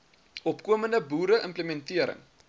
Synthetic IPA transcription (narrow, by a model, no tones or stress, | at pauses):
ʔɔpkuəməndəbuːɾəʔəmpləmɛntiəɾə̰ŋ